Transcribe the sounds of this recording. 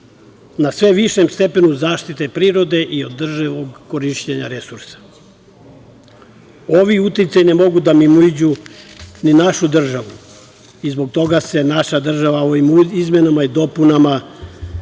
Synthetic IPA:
nasʋe̞ʋiʃemst̪e̞pe̞nuzaːʃt̪it̪e̞pɾiːɾo̞d̪e̞ʔiod̪ːr̩ʒaʋoɡkːo̞ɾiʃt͡ɕeɲaɾe̞suɾsḁ | oʋiut̪it̪sajne̞mo̞ɡud̪amimuid͡ʑu | ninaʃud̪r̩ʒaʋu | izbo̞ɡ̚t̪o̞ɡase̞naʃad̪r̩ʒaʋaoʋimizme̞namaid̪o̞punama

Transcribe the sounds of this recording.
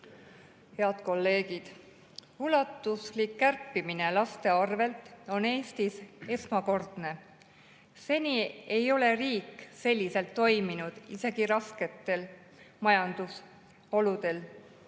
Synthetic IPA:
he̞ɑd̪̥ko̞lːe̞ːɡ̥id̪̥ | ulɑt̪ːˑuslikːærpːimine̞lɑst̪e̞ɑrve̞lt̪ˑo̞ne̞ːst̪ise̞smɑko̞rd̪̥ne̞ | se̞nʲie̞jo̞le̞riːkːse̞lʲːise̞lt̪ːo̞jminud̪̥ise̞ɡ̥iɾɑske̞t̪ːˑe̞l | mɑjɑnd̪̥us | o̞lud̪̥e̞l

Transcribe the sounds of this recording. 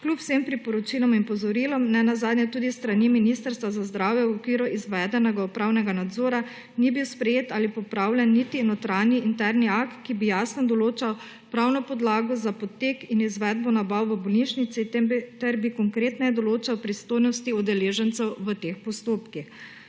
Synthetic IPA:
klʲupw̥sempɾipɔɾɔt͡ʃilɔminpɔzɔɾiːlɔmnɛnazaːd̪njɛt̪uːd̪ist̪ɾaniminiːst̪əɾst̪ʋazazd̪ɾaːwjɛwɔkʋiːɾɔʔizʋɛd̪ɛnɛɡaɔpɾaːwnɛɡanad̪zoːɾa | nibiwspɾɛjeːt̪aːlipɔpɾaːwlʲjɛnːit̪inot̪ɾaniint̪ɛɾniakt̪kibijaːsnɔd̪ɔloːt͡ʃaw | pɾaːwnɔpɔd̪laːɡɔzapɔt̪ekinizʋɛd̪̚bɔnabawʋəbɔlniʃnit̪sit̪t̪ɛɾbikɔŋkɾeːt̪nɛd̪ɔloːt͡ʃawpɾist̪oːjnɔst̪iɔd̪ɛleːʒɛnt̪sɛwʋət̪eːxpɔst̪oːpkix

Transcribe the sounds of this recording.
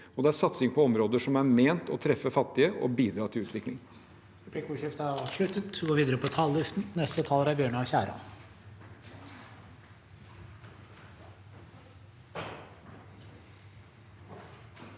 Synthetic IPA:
ɔd̪ɛæɾsɑt̪sɪŋpʰɔɔmɾoːd̪əʂɔmæɾmeːnt̪ɔt̪ʰɾɛfːəfɑt̪ːɪəʔɔ̰biːd̪ɾɑːt̪ʰɪlʉːt̪ʋɪklɪ̰ŋ | ɾɛpʰlikuːʂɪft̪ɑɑʃøːt̪ət̪ɡoːɾʋiːd̪əɾəpʰɔt̪ʰɑllɪst̪n̩nɛst̪ət̪ʰɑːləɾæɾbjøːɳɑɕæ̰ːɾɑ̰n

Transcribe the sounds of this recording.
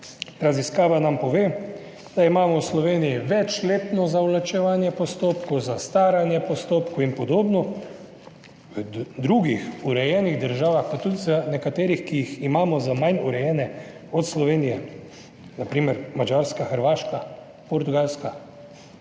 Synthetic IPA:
ɾaziskaːʋanampɔʋeː | d̪̥aimaːmɔwslɔʋeːnijiʋɛt͡ʃleːt̪nɔzalat͡ʃɛʋaːnjɛpɔst̪oːpkɔwzast̪aːɾanjɛpɔst̪oːpkuinpɔd̪oːbnɔ | ʋəd̪ɾuɡixuɾɛjɛːniɣd̪əɾʒaːʋaxpat̪ːut̪zanɛkat̪eːɾixkijiximaːmɔzamajnuɾɛjɛːnɛ | ɔt̪slɔʋeːnijɛ | napɾiːmɛɾmad͡ʒaɾskaxəɾʋaːʃka | pɔɾt̪uɡalska

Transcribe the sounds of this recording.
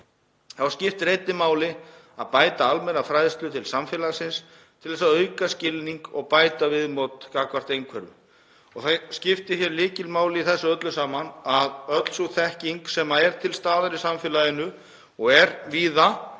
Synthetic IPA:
θawscɪft̪rejt̪nɪmaːwlɪ | aðpaːjt̪aalmɛnːafɾajðst̪lʏt̪ʰɪlsamfɛːlasɪns | t̪ʰɪlðɛsaðœɥkascɪlniŋkɔɣpaːjt̪avɪðmowt̪kakvar̥t̪ejŋkʰvɛɾvʏ̰ | ɔɣθascɪft̪ɪθjɛɾlɪːcɪlmaːwlɪiθɛsːʏœt̪lʏsaːmanaðœt̪l̥suθɛhciŋksɛmaɛɾ̥t̪ʰɪlst̪aːðaɾɪsamfɪːlaðɪnːʏ | ɔɣɛɾviːða

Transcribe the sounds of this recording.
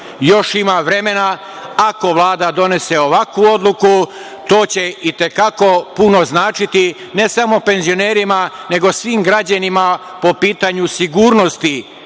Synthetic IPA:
jo̞ʃimaʋɾe̞me̞na | ako̞ʋlˠaːd̪ad̪o̞ne̞se̞o̞ʋakʋuo̞d̪luku | t̪o̞ːt͡ɕe̞it̪e̞kako̞punoznaːt͡ʃit̪i | ne̞samo̞pe̞nzio̞neːɾimane̞ɡo̞sʋiːmɡɾad͡ʑanima | po̞piːt̪aɲusiɡuːɾno̞st̪i

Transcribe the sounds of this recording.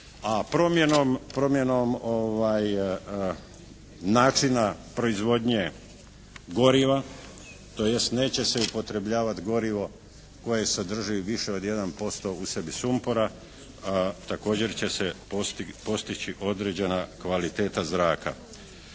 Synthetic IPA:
apɾomjenompɾo̞mje̞no̞moʋaj | naːt͡ʃinapɾo̞izʋo̞d̪ɲe̞ | ɡo̞ɾiʋa | t̪o̞je̞st̪ne̞ːt͡ɕe̞se̞upo̞t̪ɾe̞bʎaːʋat̪ɡo̞ɾiʋo̞ | ko̞jesed̪r̩ʒiuʋiʃeo̞d̪je̞d̪anpo̞st̪o̞usebisumpoɾa | t̪ako̞ːd͡ʑe̞ɾt͡ɕe̞se | po̞st̪it͡ɕiʔo̞d̪ɾed͡ʑe̞nakʋalit̪e̞ːt̪azɾaːka̰

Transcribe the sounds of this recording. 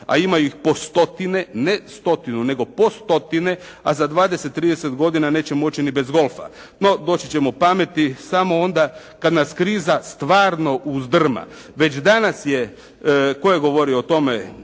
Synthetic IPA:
a̰imajuixpo̞st̪o̞t̪inenest̪o̞t̪inune̞ɡo̞po̞st̪o̞t̪ine̞ | a̰zad̪ʋaːd̪ese̞t̪ːɾiːd̪ese̞t̪ɡo̞d̪inane̞ːt͡ɕemo̞t͡ɕinibe̞zɡo̞lˠfa̰ | no̞d̪o̞ːt͡ɕit͡ɕe̞mopame̞t̪isamo̞ond̪a | kad̪naskɾiːzast̪ʋaːɾno̞ʔuzd̪r̩ma̰ | ʋe̞t͡ɕd̪anasje | ko̞jeɡo̞ʋo̞ɾioot̪o̞me

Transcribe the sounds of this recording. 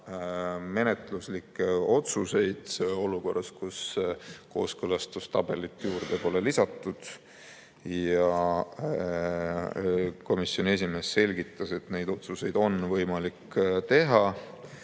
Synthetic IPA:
me̞net̪luslikːeo̞t̪suse̞jd̪̥eo̞luko̞rːɑskusko̞ːskølɑst̪ust̪ɑb̥e̞lit̪ːˑjuːɾd̪̥epo̞le̞lisɑt̪ːˑud̪̥ | jɑ | ko̞misjo̞ne̞s̬ʲime̞ːsːe̞lʲɡit̪ˑːɑse̞t̪ne̞jd̪̥o̞t̪suse̞jd̪o̞nvɤjmɑlikːt̪e̞ɦɑ

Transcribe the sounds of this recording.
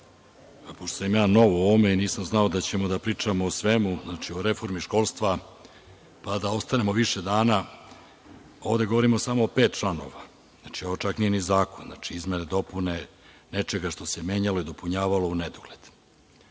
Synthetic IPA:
poʃt̪osjimjaːno̞ʋoome̞iniːsamznao̞d̪at͡ɕe̞mo̞d̪apɾiːt͡ʂamoːsʋe̞muznat͡ʃio̞ɾe̞fo̞ɾmiʃko̞lˠst̪ʋa | pad̪ao̞st̪ane̞mo̞ʋiʃe̞d̪aːna | o̞vd̪e̞ɡo̞ʋo̞ɾimo̞samoːpe̞ːt̪̚t͡ʃlˠano̞̰ʋa | zat͡ʃio̞ʋot͡ʃaknije̞nizaːkonzna̰t͡ʂiizme̞ned̪o̞pune̞ | ne̞t͡ʃe̞ɡaʃt̪o̞semjeːɲalo̞id̪o̞puɲaːʋalo̞uned̪oɡ̥le̞d̪̥

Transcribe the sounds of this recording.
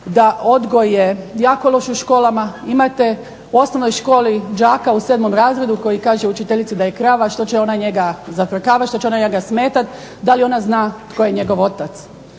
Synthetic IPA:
d̪ao̞d̪ɡo̞jːejaːko̞lˠo̞ʃuʃko̞ːlamaimat̪e̞ | uo̞snoʋno̞jʃko̞ːlid͡ʒaːkauseːd̪mo̞mɾaːzɾe̞d̪uko̞jikaːʒeut͡ʃit̪eʎit̪sid̪aje̞kɾaːʋaʃt̪o̞t͡ʃeo̞naɲe̞ɡazat̪ɾkaːʋat̪ʃt̪o̞t͡ɕeo̞naɲeɡasmeːt̪at̪ | d̪alio̞naznaːt̪ko̞jeɲe̞ɡo̞ʋo̞t̪at̪s

